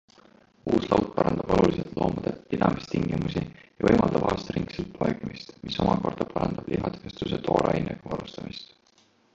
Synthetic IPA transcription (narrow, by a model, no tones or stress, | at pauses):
uːslɑwt̪ˑpɑɾʔɑnd̪̥ɑb̥o̞luliset̪lo̞ːmɑd̪̥et̪pid̪ɑmist̪iŋɡ̥imusijɑɤjmɑld̪̥ɑb̥ɑːst̪ɾiŋɡselt̪ɑjɡmist̪miso̞mɑko̞rd̪̥ɑpʰɑɾɑnd̪ɑb̥lʔiɦɑt̪vest̪uset̪ʰo̞ːɾlʔɑ̰jinekuɑɾust̪ɑmist̪